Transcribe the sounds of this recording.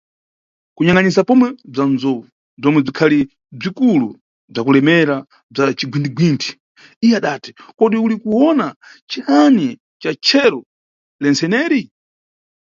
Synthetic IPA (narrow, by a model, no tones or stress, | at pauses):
kuɲaŋɡanisapɔmwɛb͡ʐanzɔvu | b͡ʐɔmwɛb͡ʐikʰali | b͡ʐikulu | b͡ʐakulɛmɛɾa | b͡ʐat͡ʃiɡwindiɡwintʰi̥ | ijɛaɗatɛ̥kɔɗiulikuwɔna | t͡ʃihanɛ | t͡ʃat͡ʃʰɛɾɔ | lɛnsɛnɛːɾi